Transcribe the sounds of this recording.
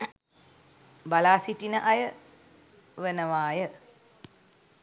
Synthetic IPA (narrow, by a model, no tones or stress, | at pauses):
balaːsiʈinəʔajə | ʋenəʋaːjə